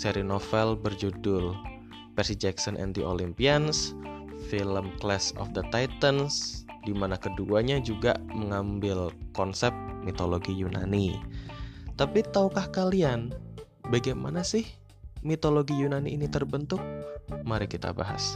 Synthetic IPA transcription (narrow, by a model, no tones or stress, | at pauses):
sɛɾinofɛlbərd͡ʒudʊl | pɛsid͡ʒɛksɔnʔɛ̰nd̪iʔolimpiansfiləmklɛsɔ̰fd̪ət̪ajt̪ənsdimanakəduaɲad͡ʒuɡa̰məŋambɪlkɔnsɛp̚mit̪oloɡijuna̰ni | t̪apit̪aukahkalian | baɡajma̰nasɪh | mit̪oloɡijunaniːnit̪ərbənt̪ʊk̚maɾɪkit̪a̰ba̰ɦa̰s